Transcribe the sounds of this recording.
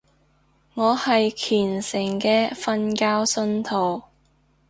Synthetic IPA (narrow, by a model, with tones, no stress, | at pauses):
ŋɔː˨˧hɐ˨jkʰyː˨˩nsɪ˨˩ŋkɛː˧fɐ˧nkaː˥wsɵ˧nt̪ʰo˨˩w